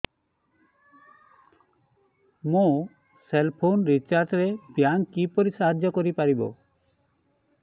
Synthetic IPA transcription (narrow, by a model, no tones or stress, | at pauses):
mõ | selpʰonɾit͡ʃaɾʈɾepjaŋkipoɾisaɦad͡ʒjɔkoɾipaɾibo̰